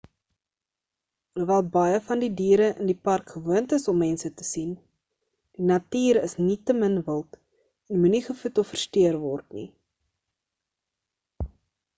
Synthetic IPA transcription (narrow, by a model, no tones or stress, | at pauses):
uvæːlˠbɐjəfɐndidiːɾəʔə̰ndipɐrkχəvuəntəsɔmːɛnsətəsin | d̥inɐtiːɾəsnitəmənvəlˠt | ɛnmuniχəfutɔfərstøərvɔrtnḭ